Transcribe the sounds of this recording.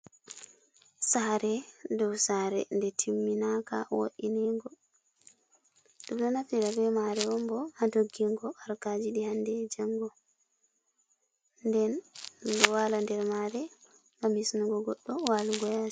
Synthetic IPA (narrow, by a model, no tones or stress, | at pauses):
saɾɛdɔwsaɾɛ̰ndɛtʰimːinaka̰wo̰ʔinɛŋɡɔ | ɗumnɔnafiɾabɛmaɾɛwɔmbɔhadoɡːiŋɡɔaɾkad͡ʒidihandɛd͡ʒaŋɡɔ | ndɛndɔwalandɛɾmaɾɛ | ɡamisnuɡɔɡɔɗːɔwaluɡɔja